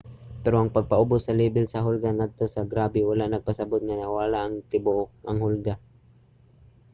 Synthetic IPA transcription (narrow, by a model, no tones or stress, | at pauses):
pɛɾoʔɐŋpɐɡ̚paʔʊbʊsːɐliːbɪlsɐɦʊlɡaŋad̪̚t̪osaɡɾaːbɪwalaʔnɐɡ̚pasɐbʊt̪̚ŋanawaːlaʔaŋt̪ɪbʊʔoʔɐŋhʊlɡa